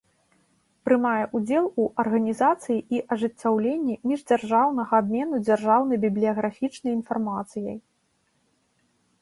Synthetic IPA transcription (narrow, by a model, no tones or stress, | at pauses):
pɾɨmajɛʔud͡zʲɛlˠuʔɐrɣɐnʲizat̪sɨjiʔiʔɐʐɨt͡sʲːawlʲenʲːimʲiʐd͡zʲarʐawnɐɣɐːbmʲɛnud͡zʲarʐawnɐjbʲiblʲijɐɣɾafʲit͡ʂnɐjin̪farmat̪sɨjɐj